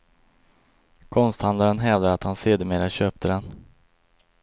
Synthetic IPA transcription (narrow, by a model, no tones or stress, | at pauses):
kʰɔnst̪hand̪laɾənɦɛːvd̪aɾat̪hanseːd̪əmeːɾaɕøːp̚t̪ʰəd̪ɛn